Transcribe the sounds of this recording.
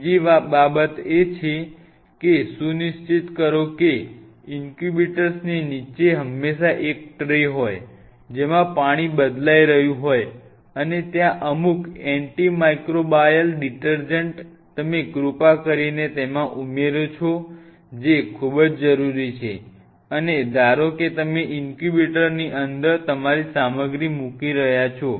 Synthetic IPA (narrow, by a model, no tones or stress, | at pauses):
d͡ʒiʋababət̪et͡ʃʰe | kesũniʃt͡ʃit̪kəɾoke | iŋkubiʈəɾsninit͡ʃeɦəmːeʃaʔek̚ʈɾeɦoj | d͡ʒemãpaɽ̃ibəd̪laiɾəɦjũɦoj | ənet̪jãʔəmukɛɳʈimajkɾobajəlɖiʈəɾd͡ʒəɳʈ | t̪əmeɡɾupakəɾinet̪emãʔumeɾot͡ʃʰo | d͡ʒekʰubəd͡ʒd͡ʒəɾuɾit͡ʃʰe | əned̪ʱaɾoket̪əmeʔiŋkubeʈəɾniʔənd̪əɾt̪əmaɾisaməɡɾimukiɾəɦjat͡ʃʰo